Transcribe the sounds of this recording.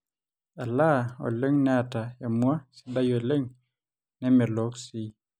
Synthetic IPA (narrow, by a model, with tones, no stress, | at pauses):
a˨la˦o̰˨le˦ŋnɛ˦a˨ta˨ja˨mwa˦si̥˦da˦jo˨e˨le˦ŋ | nɛ˦mɛ˨lo˨˦ksi˦